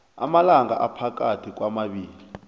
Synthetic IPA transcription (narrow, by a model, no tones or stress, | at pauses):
a̰malaŋaʔapʰak̬ʼatʰik̬wamaɓiːli